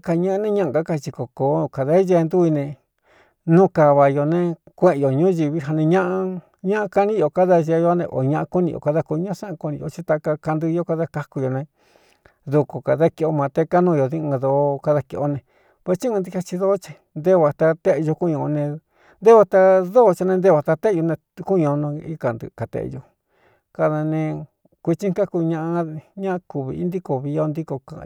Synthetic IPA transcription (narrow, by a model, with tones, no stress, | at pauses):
ka˧ɲã˦ʔnẽ˦˧ɲã˦ʔɡa˨˦ka˧t͡ʃi˧ko˨ko˨˦˧ka˨ða˦ʒe˧nd̪u˦i˧nẽ˧ | nũ˦ka˧βa˨jo˧nẽ˧ | kʷẽ˦ʔẽ˧jo˨ɲũ˦ʒi˧βi˦ɦa˧nẽ˧ɲã˦ʔa˧ | ɲã˦ʔã˧ka˧nĩ˦jo˨ka˦ða˧ʒa˧jo˧˦nḛ̃˧ʔo̰˨ɲã˧˦ʔa˧ku˦nĩ˧jo̰˨ka˧ða˧ku˧ɲã˦˧sã˦ã˧ku˧nĩ˧jo˧˨t͡ʃi˧t̪a˧ka˧ka˧nd̪ɨ˧jo˧˦ka˧ða˧ka˧ku˧jo˨nẽ˧ | ðu˧ko˨ka˨ða˦ki˧o˧mã˨˧t̪e˧ka˦nũ˦˧jo˨ðĩ˦˧ðo˧˦ka˧ða˧ki˧ʔo˦nẽ˧ | pe˧t͡ʃi˦ũ˧nd̪i˧ka˧t͡ʃi˧ðo˦ʔt͡ʃi̥˧ | nd̪e˦βa˨t̪a˧t̪e˦ʔjo˧ku˦ɲõ˧nẽ˧ | nd̪e˦βa˧t̪a˧ðo˦˧t͡ʃi˧nẽ˧nd̪e˦˧βa˧t̪a˧t̪e˦˧o˧nẽ˧ku˦ɲõ˧nõ˧i˦ka˨nd̪ɨ̰˧ka˨t̪ḛ˧ʔjo˧ | ka˧ða˧nẽ˧ | kʷi˧t͡ʃĩ˦ŋ˦ka˦ku˧ɲã˧ʔa˧ɲã˦˧ku˧βḭ˧i˦nd̪i˦ko˨βi˧jo˦˧nd̪i˦ko˧kã̰˧˨˧